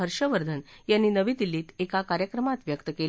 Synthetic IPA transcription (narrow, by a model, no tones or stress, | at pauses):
ɦəɾʂəʋəɾd̪ʱənjanːiːnəʋiːd̪ilːiːt̪ekakaɾjəkɾəmat̪ʋjəkt̪əkel